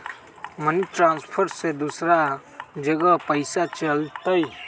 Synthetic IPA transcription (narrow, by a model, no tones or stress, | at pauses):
məniʈɾãːnspʰəɾsed̪usɾa | d͡ʒəɡəpəɪsat͡ʃəlt̪əj